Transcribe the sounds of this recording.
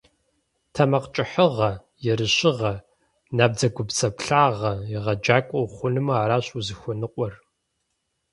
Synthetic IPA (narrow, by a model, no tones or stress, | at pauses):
tʰɐmɐqt͡ʃʼɪħəʁɐ | jɛɾɨɕɪʁɐ | naːb̚d͡zɐɡʷʊbsɐpɬaːʁɐjɪʁɐd͡ʒaːkʷʼɔwχʷʊnɨmɐaːɾaːɕʼuzɨxʷɔnɨqʷʼɔr